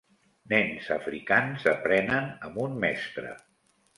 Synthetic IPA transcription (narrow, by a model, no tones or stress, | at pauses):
nɛnzəfɾikanzəpɾɛnənəmbunmɛst̪ɾə̰